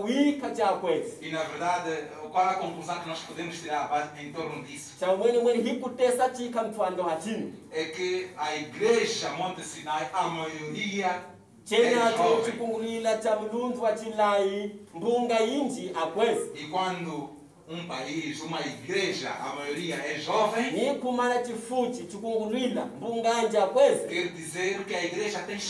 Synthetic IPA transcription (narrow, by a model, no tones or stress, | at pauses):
wikʰat͡ʃaːkwɛzɛinaveɾðad̪e | ukwaɾakomfunsakinɔspɔðemuʃt̪iɾaβaent̪ɔɾnud̪isu̥t͡ʃamwɛnɛmwɛnɦikutɛsat͡ʃikam̩tʰuandɔɦat͡ʃiniɛkeaiɡɾeʒamɔnt̪esinajamajoɾia | t͡ʃɛɲat͡ʃaut͡ʃikuŋɡulwilat͡ʃamulunduwat͡ʃilajimbuŋɡaind͡ʒiʔakwɛzɛikwandu | umbaizumaiɡɾɛʒa̰a̰majɔɾijaɛʒɔvɛnikumaɾat͡ʃifut͡ʃit͡ʃikuŋɡulwilambuŋɡand͡ʒiakwɛzɛkɛɾdizɛɾkɛaiɡɾɛʒatɛ